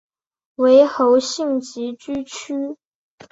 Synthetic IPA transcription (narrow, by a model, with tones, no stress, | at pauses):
we˧˥ɪxo˧˥ʊɕi˥˩ŋt͡ɕi˧˥t͡ɕy˥t͡ɕʰy˥